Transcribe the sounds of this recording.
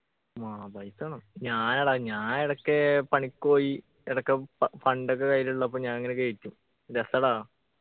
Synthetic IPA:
mabɐjsɐɳɐmɲaːnɐɽaːɲaːneɽɐkːepɐɳikːoːji | eɽɐkːefɐɳɖok̬ːekɐjluɭːɐp̬ːomɲaːniŋːɐnekeɻitʲːum | ɾesɐɽaː

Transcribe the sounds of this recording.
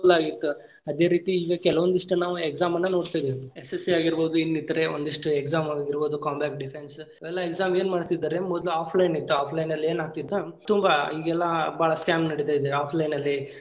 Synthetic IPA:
d̪laːɡit̪ːu | ɐd̪e̞ːɾiːt̪iːɡɐkɛlɐʋond̪iʂʈunaːʋuekzaːmɐnːɐno̞ːɽt̪ajd̪eiesesiaːɡiɾboːd̪uinːid̪ɐɾe̞o̰nd̪iʂʈuekzaːmaːɡiɾboːd̪ukaːmbaːk̚ɖipʰensɐʋɛlːɐeksaːme̞ːnmaːɖt̪id̪ːaːɾemɔd̪luaːpʰlɐjnit̪ːuaːpʰlɐjnɐlːieːnaːɡ̚t̪id̪ːat̪umbɐiːɡɛlːɐbaːɭɐskaːmnɐɽit̪eid̪eaːpʰlɐjnɐlːi

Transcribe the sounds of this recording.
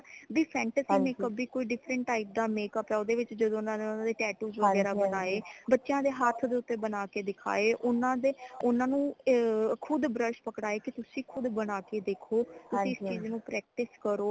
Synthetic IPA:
biːpʰɛ̃ːɳʈəsiːneːkkəbiːkoːiːɖɪpʰɾəɳʈːaːɪp̚d̪aːmeːkəpɛoːd̪eːʋɪt͡ʃd͡ʒəd̪õːʊnãːneːʊnãːd̪eːʈɛːʈuːzʋəɡɛːɾaːbənaːeːbətːʃjãːd̪eːɦaːt̪ʰd̪eːʊt̪ːeːbənaːkeːd̪ɪkʰa̰ːeːʔʊnãːd̪eʊnãːnũː | kʰʊd̪bɾəʃpəkɽaːeːkɪt̪ʊsĩːkʰʊd̪bəñaːkeːd̪eːkʰoːt̪ʊsĩːst͡ʃiːznũːpɾɛːk̚ʈɪskəɾoː

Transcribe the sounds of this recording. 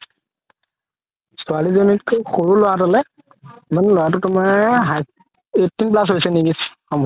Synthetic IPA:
sɔalizonikʰːʊxoɹulowatalɛ | manɛlɔjat̬utumaɦa | etːinp̬las̬ɦojsɛniɡisxɔmbʱ

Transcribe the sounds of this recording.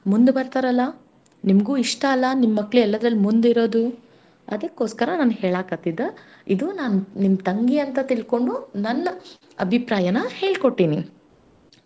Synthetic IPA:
mund̪ubɐɾt̪aɾɐlːɐ | nimɐɡuːiʂʈɐːlːɐnimːɐkːɭuɛlːɐd̪ɾɐlːimund̪iɾo̞ːd̪u | ɐ̰d̪ɐkːo̞ːskɐɾɐnaːnheːɭaːkɐt̪ːid̪e | id̪unaːnunimt̪ɐŋɡiɐnt̪ɐt̪iɭko̞ɳɖunɐnːɐ | ɐbʱipɾaːjɐnɐheːɭko̞ʈːini

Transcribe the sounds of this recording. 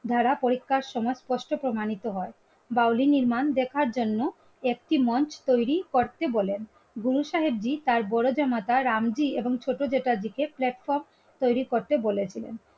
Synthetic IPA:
d̪ʱaɾapoɾikʰːaɾʃɔmɔespɔʃʈopɾomanit̪oɦɔe | bawliniɾmand̪ekʰaɾd͡ʑonːo | ek̚ʈimɔnt͡ɕt̪ojɾikoɾt̪ebolen | ɡuɾuʃaɦeb̚d͡ʑit̪aɾbɔɾod͡ʑɔmat̪aɾamd͡ʑieboŋt͡ɕʰoʈod͡ʑeʈad͡ʑikeplɛʈfɔɾm | t̪ojɾikoɾt̪ebolet͡ɕʰilḛn

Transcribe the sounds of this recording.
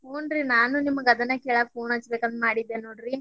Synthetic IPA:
pʰoːnɾinaːnunimːɐɡɐd̪ɐnːɐkeːɭɐpʰoːnɐt͡ʃɐbekɐnd̪maːɽid̪ːeːnoːɖɾi

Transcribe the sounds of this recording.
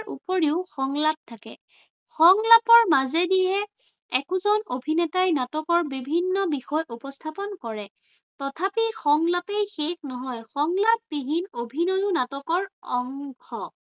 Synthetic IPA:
ʔṵpɔɹiʊxɔŋlap̚tʰakɛ̰ | xɔŋlapɔɹmazɛdiɦɛ | ɛkuzɔnobʱinɛtajnatɔkɔɹbibʱinːɔbixɔjʔupɔstʰapɔnkɔɹɛ | tɔtʰapixɔŋlapejxexnɔɦɔjxɔŋlap̚piɦinobʱinɔjʊnatɔkɔɹɔŋxɔ

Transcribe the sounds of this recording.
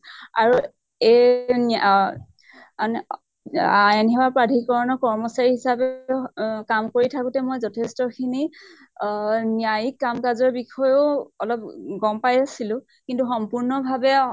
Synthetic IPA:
aɹu | en | anɛ | ajanɦɛwapɹadʱikɔɹɔnɔkɔɹmɔsaɹiɦisapɛ | kamkoɹitʰakũtɛmojzɔtʰestɔkʰini | nijajikːamkazɔɹbixʰɔjoɔlɔp̚ɡɔmpajasilʊ̃ | kintuxɔmpuɹnɔbʱabɛ

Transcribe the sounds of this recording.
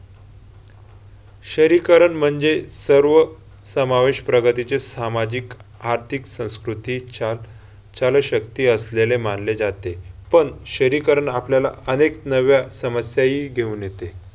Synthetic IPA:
ɕəɾikəɾəɳm̤əɳd͡zesəɾʋə | səmaʋeɕpɾəɡət̪it͡sesamad͡ʑik | aɾt̪ʰiksə̃w̃skɾut̪iː | t͡ɕaləɕəkt̪iːəslelemanled͡zat̪epəɳɕəɾikəɾəɳapljala̰əneknəʋjasəməsjaɦiːɡʱeuːnjet̪e

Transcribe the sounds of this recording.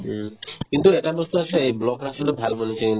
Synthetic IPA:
kint̪ueʈabost̪uaseejblɔkɾaʃolebʱalbonet͡ʃa

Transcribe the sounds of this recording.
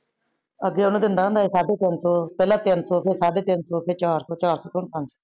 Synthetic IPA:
əɡeːʊnũːd̪ɪnd̪aːɦə̃nd̪aːɦeːsaːɖeːt̪ɪnsɔːpɛːlãːt̪ɪnsɔːpʰɪɾsaːɖeːt̪ɪnsɔːpʰɪɾt͡ʃaːɾsɔːt͡ʃaːɾsɔːt̪oːnpə̃nso̥ː

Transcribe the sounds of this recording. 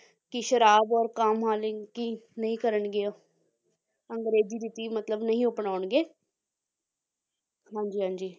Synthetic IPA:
kɪʃəɾaːbɔːɾkaːmɦaːlɪkinəĩːkəɾəɳɡɪoː | əŋɡɾeːziːɾɪt̪iːmət̪ləbnəĩːʊpɳaːʊɳɡeː | ɦãːɲd͡ʒiːɦãːɲd͡ʒiː

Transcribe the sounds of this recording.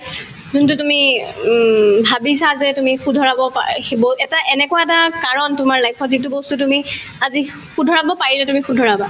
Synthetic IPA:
zuntutumi | bʱabisazɛtumixudʱɔɹabɔpbɔɛtaʔɛnɛkɔwaɛtakaɹɔntʊmaɹlajpʰɔzit̬ubɔstutumiazi | xudʱɔɹabɔpaɹilɛtumixudʱɔɹaba

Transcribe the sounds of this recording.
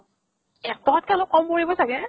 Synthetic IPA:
ɛtɔt̚kalokːɔmkoɹibɔsaɡɛ

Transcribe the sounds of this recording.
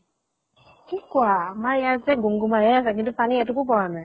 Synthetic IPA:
kikwamajazɛɡuŋɡumajɛasak̬itufaniatukupɔnɛ

